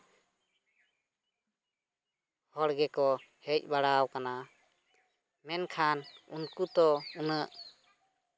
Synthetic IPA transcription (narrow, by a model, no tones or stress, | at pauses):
hɔɽɡɛkɔhɛc̚ˀbaɽawkana | mɛnkʰanunkut̪ɔunəʔ